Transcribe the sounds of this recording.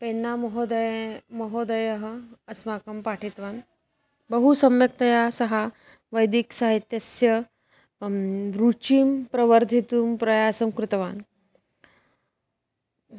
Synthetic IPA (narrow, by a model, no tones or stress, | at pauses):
penːamɐɦod̪ɐjmɐɦod̪ɐjɐɦəɐsmakɐmpaʈʰit̪ʋaːn | bəɦusɐmjɐk̚t̪ɐjasɐɦa | ʋəjd̪iksaɦit̪jɐsjɐ | ɾut͡ʃiːmpɾɐʋəɾd̪ʱit̪uːmpɾɐjaːsɐmkɾɪt̪ɐʋaːn